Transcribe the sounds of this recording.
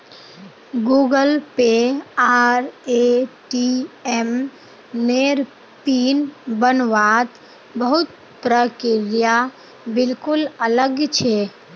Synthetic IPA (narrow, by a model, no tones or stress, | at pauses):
ɡuɡəlpeaɾeʈiem | neɾ | pinbənʋat̪ | bəɦut̪̚ | pɾəkɪɾja | bɪlkʊlələɡt͡ʃʰɛ